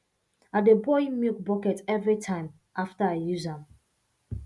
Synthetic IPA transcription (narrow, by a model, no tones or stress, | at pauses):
adebɔimilk̚bɔkɛtɛvɹitʰãɪ̃m | aftaaɪjuzãm